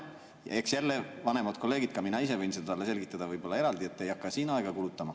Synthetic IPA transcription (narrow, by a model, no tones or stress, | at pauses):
jɑ̰eksjælːevɑne̞mɑt̪̚kʰo̞lːe̞ːɡid̪̥̚kɑminɑis̬e̞vɤjnsed̪ɑt̪ɑlːese̞lɡ̥it̪ˑːɑd̪̥ɑvɯjb̥o̞lːɑe̞ɾɑld̪ie̞t̪ːe̞jɑkːɑsiːnɑeɡ̥ɑkulut̪ˑːɑmɑ